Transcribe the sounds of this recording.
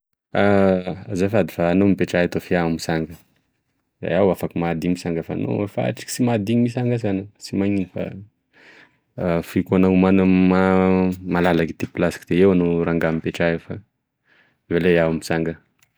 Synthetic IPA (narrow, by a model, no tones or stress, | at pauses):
azafad̪i̥faːnomipeʈ͡ʂaɦat̪ofiamisaŋɡə | za̰jawafakimad̪imisaŋɡəfa̰no̰efa̰ʈ͡ʂi̥ki̥simad̪iɲimisaŋɡəzanəsimaɲinifa̰ | fikanaumanəmamalalakit̪iplasi̥kid̪̥eewanoɾaŋɡamipeʈ͡ʂajefa̰ | ivalejawmisaŋɡə